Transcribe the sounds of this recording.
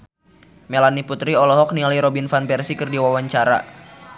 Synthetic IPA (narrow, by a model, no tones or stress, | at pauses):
melaniput̪ɾiɔlɔɦɔk̚niliɾɔbinfanpɛrsikɨrdiwawaɲt͡ʃaɾa̰